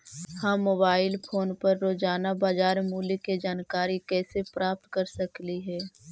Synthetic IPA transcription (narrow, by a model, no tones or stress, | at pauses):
hãːmːoːbaːɪlpʰoːnpɐɾːoːd͡ʒaːnabaːd͡ʒaːɾmuːliked͡ʒaːnkaːɾikɛːsepɾʔaːp̚t̪kɐɾsəkliɦɛː